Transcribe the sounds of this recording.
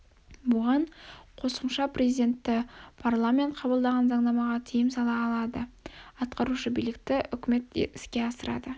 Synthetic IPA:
bʊʁɑɴqʰo̞səmʃɑprʲe̞zijd̪ʲe̞nt̪ːɪpʰarlˠamʲe̞nt̪̚qʰɑbəlˠd̪ɑʁɑnzɑɴnɑmɑʁɑt̪ʰijɪmsɑlˠɑːlˠɑd̪əɑt̪qɑɾuʃəbijlɪk̚t̪ɪʔʏkʲme̞t̪ɪskʲe̞ɑsəɾɑ̰d̪ə

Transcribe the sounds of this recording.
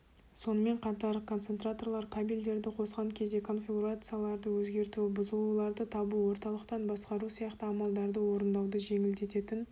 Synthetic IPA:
so̞nəme̞ɴqʰɑt̪ɑɾkʰont̪se̞nt̪rat̪o̞rlˠɑɾq̪ʰɑbild̪e̞ɾd̪ɪqʰo̞sqɑŋkʲʰe̞zd̪ekʰo̞nfʲiɡuɾat̪sɨjalˠɑɾd̪əwɵzɡʲe̞ɾt̪ubʊzəlˠulˠɑɾd̪ət̪ʰɑbuwo̞ɾt̪ɑlˠəqt̪ɑnbɑsqɑɾusijɑqt̪əɑmɑlˠd̪ɑɾd̪əwo̞ɾənd̪ɑwd̪əʒe̞ŋɪld̪e̞t̪e̞t̪ɪn

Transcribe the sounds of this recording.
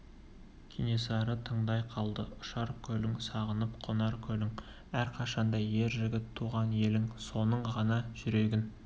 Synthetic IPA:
kʲʰinesɑɾət̪ʰəɴd̪ɑjqʰɑlˠd̪əʊʃɑɾkʲʰɵlɪŋsɑʁənəpqʰonɑɾkʲʰɵlɪŋ | æɾqʰɑʃɑnd̪ɑje̞ɾʒɪɡʲɪt̪ʰːuʁɑnje̞lɪŋso̞nəɴʁɑnɑʒ̥ʏɾe̞ɡʲɪn

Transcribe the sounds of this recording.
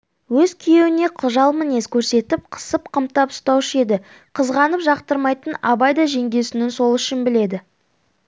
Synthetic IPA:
wɵzkʲʰije̞wɪne̞qʰʊʒɑlˠməne̞skʲʰɵɾse̞t̪ɪp̚qʰə̥səp̚qʰəmt̪ɑpʊ̥st̪ɑwɪʃe̞d̪ɪ | qʰəzʁɑnəpʒɑqt̪əɾmɑjt̪ənɑbɑjd̪ɑʒe̞ŋɡʲe̞wsɪnɪnso̞lˠʏʃɪnbɪle̞d̪ɪ

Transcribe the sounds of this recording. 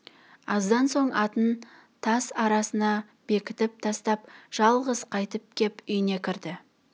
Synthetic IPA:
ɑzd̪ɑnso̞ɴɑt̪ən | t̪ʰɑsɑɾɑsənɑ | b̥e̞kʲɪt̪ɪp̚t̪ʰɑst̪ɑpʒ̥ɑlˠʁəzqʰɑjt̪əp̚kʲʰe̞pʏjɪne̞kʲʰɪɾd̪ɪ

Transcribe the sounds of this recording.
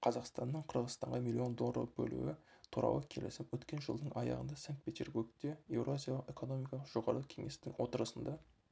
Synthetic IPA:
qʰɑzɑqst̪ɑnːəɴqʰəɾʁəzst̪ɑɴʁɑmilːio̞nd̪olˠrə̰bɵ̰lṵwɪt̪ʰuɾʔɑ̰wˠəkʲʰe̞lɪsɪpwɵt̪kʲe̞nʒəlˠd̪əɴʔɑjɑ̰ʁənd̪ɑsaŋk̚t̪̚pʰe̞t̪ʲe̞rbuɡt̪e̞je̞wɾoazʲjɑlˠəqe̞ko̞no̞mijkɑlˠəqʒ̥o̞ʁɑɾəkʲʰe̞ŋe̞st̪ɪŋwo̞t̪əɾəsənd̪ɑ

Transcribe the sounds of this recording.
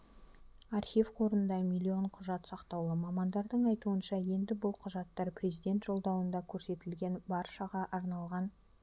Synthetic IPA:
ɑrχivqʰo̞ɾənd̪ɑmijlʲːio̞ɴqʰʊʒɑt̪sɑqt̪ɑwlˠəmɑmɑnd̪ɑɾd̪əɴɑjt̪uənʃɑje̞nd̪ɪbʊlˠqʰʊʒɑt̪ːɑɾpʰrʲe̞zijd̪ʲe̞nt̪ʒ̥o̞lˠd̪ɑwənd̪ɑkʲʰɵɾse̞t̪ɪlɡʲe̞nbɑɾʃɑʁɑʔɑɾnɑlˠʁɑn

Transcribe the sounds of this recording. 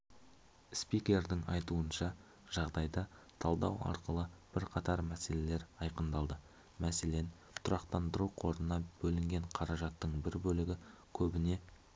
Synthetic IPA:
spikʲe̞rd̪ɪŋɑjt̪uənʃɑ | ʒ̥ɑʁd̪ɑjd̪ɑt̪ʰɑlˠd̪ɑwɑ̰ɾqəlˠəb̥ɪɾqʰɑt̪ɑɾmæse̞le̞le̞ɾɑjqənd̪ɑlˠd̪ə | mæse̞le̞n | t̪ʰʊɾɑqt̪ɑnd̪əɾuqʰo̞ɾnənɑb̥ɵlɪŋɡʲe̞ɴqʰɑɾɑʒɑt̪ːəɴbɪɾbɵlɪɡʲɪkʲʰɵbɪne̞

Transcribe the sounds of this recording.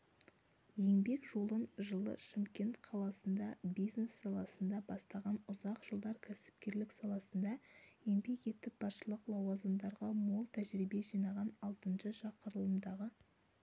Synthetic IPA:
je̞ŋbe̞kʒo̞lˠənʒəlˠə̰ʃɪmkʲe̞nt̪qʰɑlˠɑsənd̪ɑbijzne̞sːɑlˠɑsənd̪ɑbɑst̪ɑʁɑnʊzɑqʒ̥əlˠd̪ɑɾkʲʰæsɪ̥p̚kʲe̞ɾlɪksɑlˠɑsənd̪ɑje̞ŋbe̞ke̞t̪ːɪp̚b̥ɑsʃəlˠəqlˠɑwɑzəmd̪ɑɾʁɑmo̞lˠt̪ʰæʒɾibe̞ʒijnɑʁɑnɑlˠt̪ənʃəʒɑqəɾəlˠəmd̪ɑʁə

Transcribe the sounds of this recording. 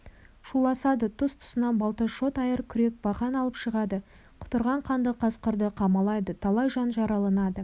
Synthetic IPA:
ʃulˠɑsɑd̪ət̪ʰʊst̪ʰʊ̥sənɑnbɑlˠt̪əʃo̞t̪ɑjəɾkʲʰʏɾe̞k̚bɑʁɑnɑlˠəpʃəʁɑd̪ə | qʰʊ̥t̪əɾʁɑɴqʰɑnd̪əqʰɑsqəɾd̪əqʰɑmɑlˠɑjd̪ət̪ʰɑlˠɑjʒɑnʒɑɾɑlˠɑnɑd̪ə

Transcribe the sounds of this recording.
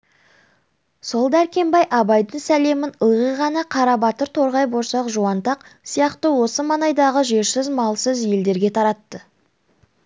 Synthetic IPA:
so̞lˠd̪æɾkʲe̞mbɑjʔɑbɑjd̪ənsæle̞mɪnəlˠʁəʁɑnɑqʰɑɾɑbɑt̪əɾt̪ʰo̞ɾʁɑjboɾsɑqʒuwɑnt̪ɑqsijɑqt̪əwo̞səmɑnɑjd̪ɑʁəʒe̞ɾsɪzmɑlˠsəzje̞ld̪e̞ɾɡʲe̞t̪ʰɑɾɑt̪ːə

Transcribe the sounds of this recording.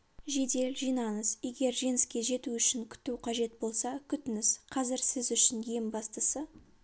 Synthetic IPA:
ʒe̞d̪e̞lʒijnɑnəzje̞ɡʲe̞ɾʒe̞nɪskʲe̞ʒe̞t̪uʏʃɪŋkʲʰʏ̥t̪uqʰɑʒe̞t̪̚bo̞lˠsɑkʲʰʏt̪ɪnɪzqʰɑzɪɾsɪzʏʃɪnje̞mbɑst̪əsə

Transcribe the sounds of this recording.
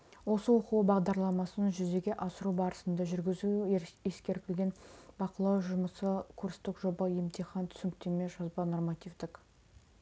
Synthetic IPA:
wo̞səwo̞qəwəbɑʁd̪ɑɾlˠɑmɑsənʒʏze̞ɡʲe̞ʔɑsəɾubɑɾəsənd̪ɑʒʏɾɡʲɪzue̞skʲe̞ɾt̪ɪlɡʲe̞nbɑqəlˠɑwʒʊməsəkʰurst̪ɪkʒo̞bəje̞mt̪iχɑnt̪ʰʏ̥sɪŋkt̪eme̞ʒɑzbɑno̞rmɑt̪ʲivd̪ɪk

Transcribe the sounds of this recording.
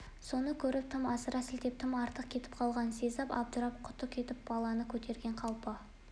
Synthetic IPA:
so̞nəkʲʰɵɾɪp̚t̪ʰɪmɑsəɾɑsɪlt̪e̞p̚t̪ʰɪmɑɾt̪əqkʲʰe̞t̪ɪ̥p̚qʰɑlˠʁɑnse̞zɑpɑ̰p̚ʒʊɾɑp̚qʰʊ̥t̪əq̚kʲʰe̞t̪ɪp̚b̥ɑlˠɑnəkʲʰɵt̪e̞ɾɡʲe̞ɴqʰɑlˠpə

